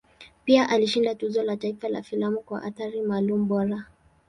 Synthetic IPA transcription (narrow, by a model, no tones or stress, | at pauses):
piaʔaliʃindatuzɔlataifala̰filamukwa̰ʔa̰θaɾimaːlumuɓɔɾa